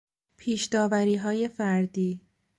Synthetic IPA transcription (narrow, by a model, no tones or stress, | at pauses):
pʰiːʃd̪ɒːvæɾiːɦɒːje̞fæɾd̪iː